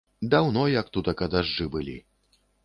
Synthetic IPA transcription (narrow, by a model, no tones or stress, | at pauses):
d̪awnɔjɐk̚t̪ut̪ɐkɐd̪aʐːɨbɨlʲḭ